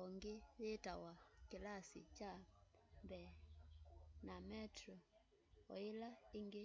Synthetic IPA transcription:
ɔŋɡeβetawakilasḭt͡ʃambɛ | namɛtɾɔ | ɔ̰ilaiŋɡe

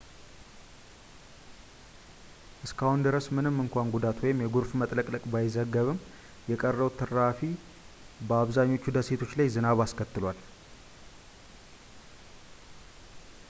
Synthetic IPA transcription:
ʔɨskʰahund̪ɨɾəsmɨnɨmːɨŋkʷanɡud̪at̪wɔjɪmjɛɡuɾfmət̪ʼləkʼləkʼbajɪzəɡːəβɨm | jɛkʼərːəwt̪ʰːɨɾːafi | bəaβzaɲːo̞t͡ʃːud̪əset̪ʰo̞t͡ʃːlajzɨnaβaskʰət̪ːɨlwal

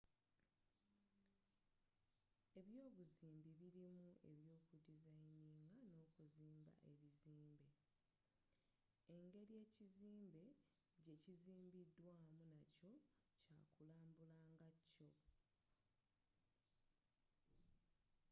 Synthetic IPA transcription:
e̞βjo̞ːβuziːmbiβiɾimue̞̰βjo̞ːkudizajiniːŋɡano̞ːkuziːmba̰ʔe̞βiziːmbe | eŋɡe̞ɾie̞ːciziːmbe̞ | ɟe̞ciziːmbidːwaːmunaco̞ | caːkulaːmbulaːŋɡacːo̞

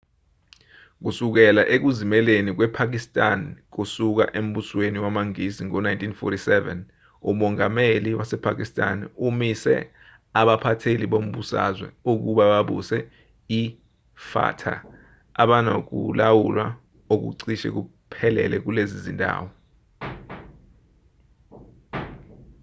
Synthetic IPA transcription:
k̬usuk̬ɛlaʔek̬uzimɛlenik̬wɛpʰak̬istʼank̬usuk̬a̰ʔem̩ɓusweniwamaŋiziŋɔnajntʰʼinfɔ̰tʰisɛvɛ̰n | umɔŋameliwasɛpʰak̬istʼanumisɛ̰ | aɓapʰatʰeliɓom̩ɓusa̰zwɛ̰uk̬uɓaɓaɓṵsɛ | i | fa̰tʰa̰ː | ɓanok̬ṵlawulwa | ok̬ṵǀiʃɛ̰k̬u | pʰɛlɛ̰lɛk̬ulezizintʼa̰ːwɔ

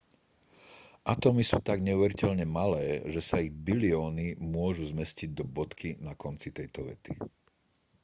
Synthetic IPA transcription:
ʔat̪ɔmisuːt̪aɡɲɛuʋɛɾicɛʎɲɛmalɛːʒɛsaiɣbiliɔːnimʊɔʒuzmɛsciɟ̚d̪ɔbɔt̪kʰinakɔnt͡sit̪ɛjt̪ɔʋɛ̰t̪i

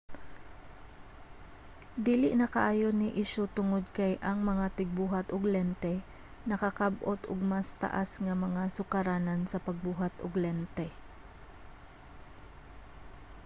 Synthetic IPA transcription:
d̪iːlɪʔnɐkɐʔaːjonɪʔɪʃot̪ʊŋod̪̚kɐjʔɐŋmɐŋat̪ɪɡ̚buːɦat̪ʔʊɡlɛnt̪ɛ | nɐkɐkabʔot̪ʊɡ̚mɐst̪ɐ̰ʔa̰sŋɐmɐŋasʊkɐɾaːnɐnsɐpɐɡ̚buːɦat̪ʊɡlɛnt̪ɛ

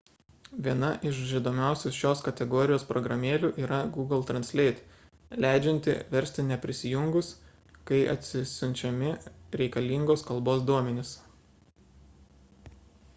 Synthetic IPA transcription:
ʋʲiɛnɐʔɪʃʲɪd̪oːmʲæˑʊsʲoːsʃʲoːskɐt̪ʲɛɡɔːɾʲɪjoːspɾɔɡɾɐmʲeːlʲuːʔiːɾɐɡuːɡɐlˠt̪ɾɐnʲsʲlʲɛɪt̪ | lʲæˑɪd͡ʒʲɛnʲt̪ʲɪ̰ʋʲɛɾʲsʲt̪ʲɪnʲɛpʲɾʲɪsʲɪjʊŋɡʊs | kɐɪʔɐ̰t̪ʲsʲɪsʲʊnʲt͡ʃʲɛmʲɪɾʲɛɪkɐlʲiːˑŋɡoːskɐlˠboːsd̪uɔmʲɛnʲɪs

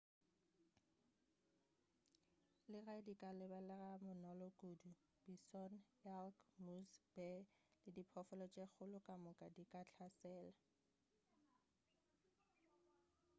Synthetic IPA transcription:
lɪraɪdikʼalɪbalɛramʊnɔlɔkʼudu | b̥isɔn | ɛlkmusb̥ɛlɪdipʰɔfɔlɔt͡ʃʼek͡xʰʊlʊkʼamʊkʼadikʼat͡ɬʰasɛːla

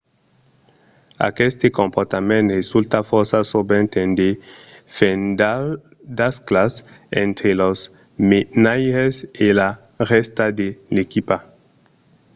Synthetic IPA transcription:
a̰kest̪ekõmpoɾt̪amẽnt̪result̪afoɾsasobẽnt̪end̪efenda | d̪asklasḛ̃nt̪ɾelos | menajɾesela | rest̪ad̪elekipa

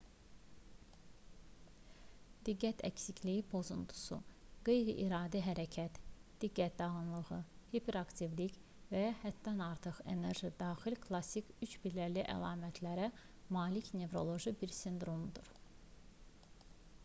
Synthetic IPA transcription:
d̪̥iɡːæt̪ʰæ̰csicʰlijipʰo̞zunt̪ʰu̥sṵɡ̥e̞jɾiʔiɾɑːd̪iɦæɾæcʰæt̪d̪̥iɡːæt̪̚d̪ɑʁɯnlˠɯʁɯhipʰe̞ɾɑkt̪ʰivlic | væhæt̪ːænɑɾt̪ʰɯχe̞̰ne̞ɾʒid̪ɑːxilkʰlˠɑsikyt͡ʃbilæliʔæ̰lˠɑːmæt̪ʰlæɾæ | mɑːlicne̞vɾo̞lˠo̞ʒibiɾsʲind̪ɾo̞md̪uɾ̥

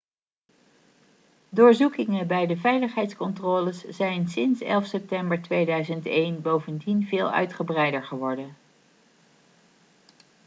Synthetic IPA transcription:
dʊːɹzukɪŋəbɛjdəvɛjləχɦɛjtskɔntroːləsz̥ɛjnsɪnsɛ̰lˠfsɛp̚tɛmbəɹtʋejdœɥzəntejnbowvəndinvɪːlˠœ̰ɥtχəbrɛjdəɹχəʋɔɹdən

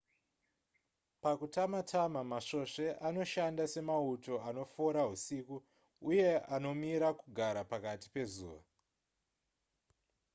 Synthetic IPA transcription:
pakutamatʰamamaʂo̞ʂe̞ʔano̞ʃandase̞mauto̞ano̞foɾaɦusiku | uje̞ano̞miɾakuɡʱaɾapakati̥pe̞zṵːʋa

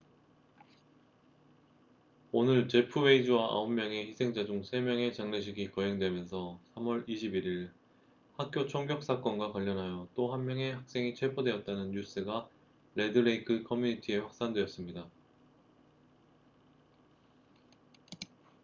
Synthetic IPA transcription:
onɯɭt͡ɕe̞pʰɯwe̞id͡ʑɯwaʔa̰omːjʌŋe̞çisʰe̞ŋd͡ʑad͡ʑuŋsʰe̞mjʌŋe̞t͡ɕaŋneɕ̬ʰiɡikʌɦeŋdwe̞mjʌnsʰʌsʰamwʌɾiɕʰibiɾiɭ | hak̚k͈jot͡ɕʰʌŋɡjʌk̚s͈ak͈ʌnɡwakwaʎːʌnɦajot͈oɦanmjʌŋe̞hak̚s͈e̞ŋit͡ɕʰwe̞pʰodwe̞ʌt̚t͈anɯnːus͈ɯɡa | ɾe̞dɯɾeikʰɯkʰʌmjuɲitʰie̞ɸwak̚s͈andwe̞ʌs͈ɯmɲida

